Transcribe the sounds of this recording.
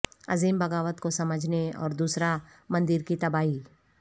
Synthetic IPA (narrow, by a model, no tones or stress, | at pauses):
ɐziːmbɐɡaːʋət̪kosɐməd͡ʒʱneɔ̰ːɾd̪uːsɾamɐ̃nd̪ɪɾkit̪ɐbaːɦi